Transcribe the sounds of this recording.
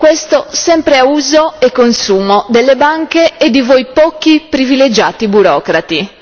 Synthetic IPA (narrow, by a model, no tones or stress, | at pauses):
kwest̪osɛmpɾeauːzoekːonsuːmod̪elːebaŋkeːd̪ːivojpɔːkipɾiviled͡ʒaːt̪ibuɾɔːkɾat̪i